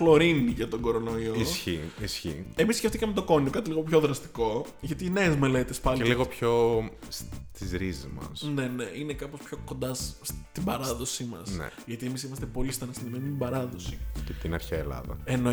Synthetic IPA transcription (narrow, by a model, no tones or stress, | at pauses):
flo̞ɾiniʝɐt̪o̞ɡo̞ɾo̞noioiçiisçḭe̞misceft̪ikɐmet̪o̞ko̞niokɐt̪iliɣo̞pço̞ðɾɐst̪i̥ko̞ | ʝɐt̪ine̞ːzme̞le̞t̪espɐleliɣopço̞st̪izɾizizmɐ̰sne̞ne̞ʔinekɐpospço̞ko̞nd̪ɐsːt̪ibɐɾɐðo̞simɐ̰snḛʝɐt̪ie̞misimɐst̪epo̞list̪ɐnɐsɐnimenut̪ibɐɾɐðo̞sicet̪inɐɾçeɐelɐ̰ðɐ̰eno